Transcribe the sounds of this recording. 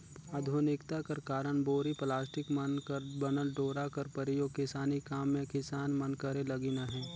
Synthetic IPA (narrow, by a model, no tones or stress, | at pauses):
aːd̪ʱuːnɪkt̪akɐɾkaːɾəɳ̃boːɾiplaːsʈɪkmənkəbənəlɖoːɾakɐɾpəɾijokɪsaːnikaːmːẽkɪsaːnmənkəɾelɐɡinaɦɛ̃ː